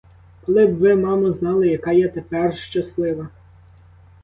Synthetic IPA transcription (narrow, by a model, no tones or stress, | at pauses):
kɔlˠɪbʋɪmɑmɐznɑlˠɪjɐkɑjɛt̪epɛrʃt͡ʃɐslˠɪʋɐ